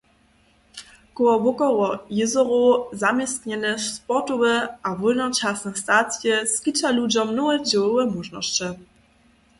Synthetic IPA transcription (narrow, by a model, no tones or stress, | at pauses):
kɔwɔvɔkɔwɔjɪzɔʁɔzamʲjɛst̪ɲɛnʲɛspɔt̪ɔvɘavɔlnɔt͡ʃasnɛxst̪at̪sʲjɛskʲit͡ʂalud͡ʑɔmnɔwɛd͡ʑɛwɔwɛmuʐnɔ̰ɕt͡ɕɛ